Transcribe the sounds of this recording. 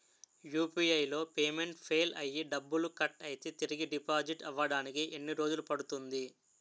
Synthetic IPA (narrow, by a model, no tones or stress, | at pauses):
juːpiːɐjlo̞ːpeːme̞ɳʈpʰeːlɐ̰jːiɖɐbːulukɐʈːɐjit̪et̪iɾiɡiɖipaːd͡ʒiʈɐʋɐɽaːnikiʔenːiɾo̞ːd͡ʒulupɐɽut̪und̪i